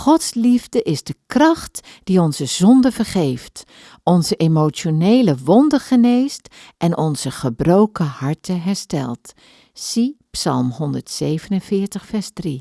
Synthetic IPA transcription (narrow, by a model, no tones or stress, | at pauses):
χɔtslivdəʔɪzdəkrɑχtd̥iɔnzəzɔndəvəɹχejft | ɔnzəʔemowt͡ʃonejləʋɔndəχənejst | ʔɛnʔɔnz̥əχəbrowkəhɑɹtəɦɛɹstɛ̰lˠt | sipsɑ̰lˠmɦɔndəɹtsejvənənvɪːɹtəχfɛɹzdri